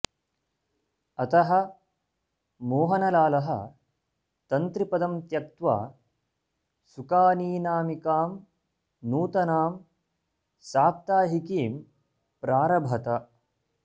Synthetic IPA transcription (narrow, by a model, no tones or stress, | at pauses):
ɐt̪ɐɦɐ̆ | moːɦɐnɐlaːlɐɦɐ̰ | t̪ɐnt̪ɾipɐd̪ɐmt̪jɐk̚t̪ʋa̰ː | sukaːniːnaːmikaːm | nuːt̪ɐnaːm | saːp̚t̪aːɦikiːm | pɾaːɾɐbʱɐt̪ɐ